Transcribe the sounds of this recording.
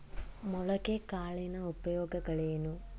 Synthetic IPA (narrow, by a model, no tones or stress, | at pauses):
muɭɐkekaːɭinɐupɐjoːɡɐɡɐɭeːnu